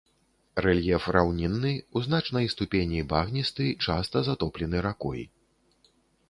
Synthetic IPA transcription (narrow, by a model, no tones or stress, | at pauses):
rɛlʲjɛfrawnʲinːɨuzn̪at͡ʂnɐjst̪upʲenʲibaɣnʲist̪ɨt͡ʂast̪ɐzat̪ɔplʲɛn̪ɨɾakɔ̰j